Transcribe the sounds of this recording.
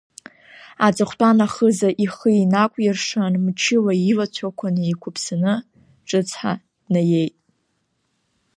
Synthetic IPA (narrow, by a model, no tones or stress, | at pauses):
at͡sʼɨχʷtʼanaχəzaʔiχəinakʷʼjɪrʂanmt͡ʃʰɪlailat͡ɕʷʰakʷʰanɨikʷʰʊpʰsanɨ | ʈ͡ʂʼɨt͡sʰħa̰ | naje̞jtʼ